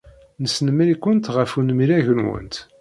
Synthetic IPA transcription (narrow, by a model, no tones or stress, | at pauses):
nəsnəməɾikʷːənt̪ʁəfunmiɾæʝənwə̰nt̪